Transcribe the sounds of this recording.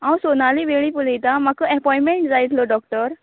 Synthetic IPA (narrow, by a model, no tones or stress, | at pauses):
ãwsonaliʋeɭipulijt̪amakəɛpɔjmeɳʈd͡zajt̪lɔɖɔkʈəɾ